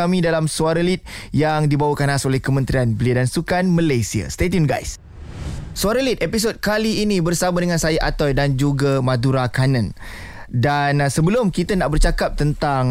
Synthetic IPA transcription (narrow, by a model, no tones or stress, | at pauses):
amĩdalamsuaɾəlit̪̚jaŋdibawakanasolɛhkəmə̃nt̪ɾianbəliadansukanmə̃lajsia̰st̪et̪̬inɡa̰js | suaɾəlit̪̚epis̬ot̪̚kaliːnĩbərsabadəŋansajaʔat̪ɔjdand͡ʒuɡamãduɾakanə̃n | dansəbəlʊmkit̪anaʔbərt͡ʃakap̚t̪ənt̪aŋ